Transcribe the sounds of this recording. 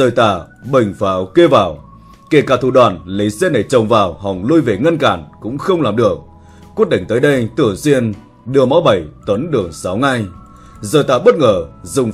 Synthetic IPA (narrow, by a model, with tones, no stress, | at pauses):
zəː˨˩jt̪a̰ː˧˩ɓə˨˩jŋ̟faː˨˦wke˧vaː˨˩w | ke˧˩kaː˧˩t̪ʰṵ˧˩ɗwaː˨˩nlə˨˦jsɛ˧na˨˩jt͡ɕə˨˩wŋ͡mvaː˨˩wɦɔ˨˩wŋ͡mlu˧jve˨˩ŋə˧nkaː˧˩nkʊ̰˧˥ŋ͡mxə˧wŋ͡mlaː˨˩mɗɨ˨˩ək̚ | kːwi˦˥ət̚ɗï˧˩ŋ̟t̪əː˨˦jɗə˧jt̪ʰɨ˧˩əŋswi˧ən | ɗɨ˨˩əmɔ˨˦wɓə˧˩jt̪ə˨˦nɗɨ˨˩əŋsa˨˦wŋa˧j | zəː˨˩jt̪aː˧˩ɓə˦˥t̚ŋəː˧˩zʊ˨˩ŋ͡m